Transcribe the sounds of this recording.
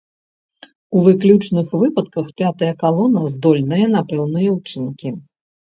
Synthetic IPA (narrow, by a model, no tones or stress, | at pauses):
uvɨklʲut͡ʂnɨxvɨpɐt̪kɐxpʲat̪ɐjɐkalˠɔnɐzd̪ɔlʲnɨjɐn̪apɛwnɨjɐwut͡ʂɨnkʲi